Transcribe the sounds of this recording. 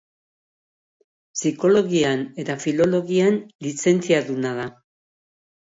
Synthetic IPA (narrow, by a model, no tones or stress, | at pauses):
siko̞lo̞ɣiane̞t̪afilo̞lo̞ɣianlise̞nt͡siaðunað̞a